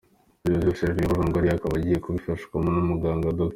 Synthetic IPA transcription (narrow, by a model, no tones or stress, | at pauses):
oziβiseɾɡieβaβaːŋɡaɾiakaβaɟije̞kuβifaʃɡwamonumuɡaːŋɡadok